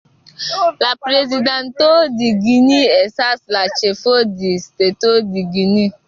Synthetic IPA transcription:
la˨pɾe˨zi˨dã˨n˨to˦di˨ɡi˧ni˦ɛ˨sa˦sla˨t͡ʃe˨fo˦di˨ste˨to˦di˨ɡi˨ni˦

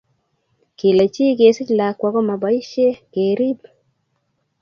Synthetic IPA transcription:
ki˨le˨t͡ʃi˦k̬e˨si˦˨la˨kwa˨kɔ˦ma˨ba˨˦i˦ʃɛ˦keɾi˦b

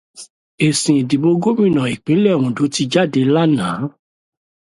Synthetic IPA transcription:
e˨sĩ˨di˨bo˧ɡo˦mĩ˦˨nã˨i˨k͡pĩ˨˦lɛ˦˨ɾũ˧˨do˨˦ti˧d͡ʒa˦˨de˧la˦nãː˨˦

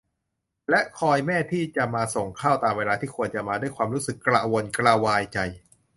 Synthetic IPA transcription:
lɛ˦˥ʔkʰɔː˧jmɛː˥˩t̪ʰiː˥˩t͡ɕa˨˩ʔmaː˧so˨˩ŋkʰaː˥˩wt̪aː˧mweː˧laː˧t̪ʰiː˥˩kʰu˧ənt͡ɕa˨˩ʔmaː˧du˥˩jkʰwaː˧mɾuː˦˥sɯ˨˩kːɾaː˧˩wo˧nkɾaː˧waː˧jt͡ɕa˧j

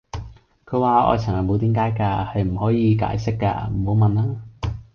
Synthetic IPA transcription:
kʰɵ˨˧ɥwaː˨˧ɔ̰ː˨˧jt͡sʰɐ˨˩ŋhɐ˨˩mo˨˧wt̪iː˨˥mkaː˨˥jkaː˧hɐ˨jm̩˨˩hɔː˨˥jiː˨˧ka̰ː˨˥jsɪ˥kːa̰ː˧m̩˨˩ho˨˧wmɐ˨nlaː˥

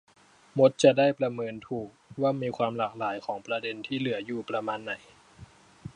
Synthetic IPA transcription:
mo˦˥t̪̚t͡ɕa˨˩da˥˩jpɾa˧mɤː˧nt̪ʰuː˨˩k̚waː˥˩miː˧kʰwaː˧mlaː˨˩k̚laː˩˦jkʰɔː˩˦ŋpɾa˧de˧nt̪ʰiː˥˩lɯ˩˦ɐjuː˧˩pɾa˧maː˧nːa˨˩˦j

